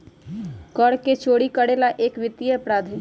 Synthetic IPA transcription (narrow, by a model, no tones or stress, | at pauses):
kəɽket͡ʃoːɽikəɽeːlaʔeːkʋɪt̪ːijəpɾaːd̪ʱ